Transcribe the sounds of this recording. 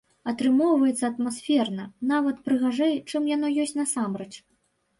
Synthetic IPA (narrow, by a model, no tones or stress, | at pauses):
ɐt̪ɾɨmɔwvɐjɛt̪sːɐɐt̪masfʲɛrnɐnavɐt̪pɾɨɣaʐɛjt͡ʂɨmjanɔjɔsʲtʲt͡sʲnɐsamɾɛt͡ʂ